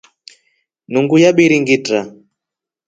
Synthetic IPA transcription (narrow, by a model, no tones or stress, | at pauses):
nuŋɡujaɓiɾiŋɡita